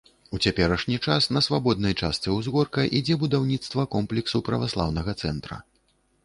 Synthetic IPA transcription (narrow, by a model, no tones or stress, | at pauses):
ut͡sʲapʲɛɾɐʂnʲit͡ʂasnɐsvabɔd̪̚nɐjt͡ʂast̪sɛwzɣɔrkɐʔid͡zʲɛbud̪awnʲit̪st̪vɐkɔmplʲɛksupɾɐvaslˠa̰wnɐɣɐt̪sɛnt̪ɾɐ̰